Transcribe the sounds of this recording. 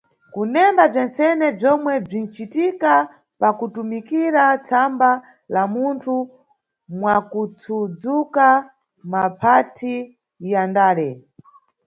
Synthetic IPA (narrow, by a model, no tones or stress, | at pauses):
kunɛmbab͡ʐɛnsɛnɛb͡ʐɔmwɛb͡ʐin̩t͡ʃitika | pakutumikiɾat͡sʰamba | lamuntʰu | mwakut͡sʰud͡zuka | mapʰatʰi | jandaːɾɛ